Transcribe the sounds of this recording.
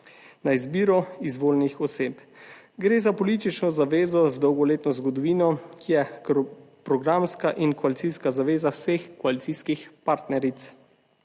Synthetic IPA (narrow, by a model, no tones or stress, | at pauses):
naizbiːɾɔizʋoːlnixɔseːp | ɡɾeːzapɔlit̪it͡ʃnɔzaʋeːzɔzd̪ɔwɡɔleːt̪nɔzɡɔd̪ɔʋiːnɔkijɛ | pɾɔɡɾamskaʔinkɔalit̪siskazaʋeːzawsexkɔalit̪siskixpaɾt̪nɛɾit̪s